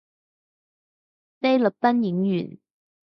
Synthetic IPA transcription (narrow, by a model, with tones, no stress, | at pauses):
te˥jlə˨˩p̚p̪ɐ˥nji˨˥ŋjyː˨˩n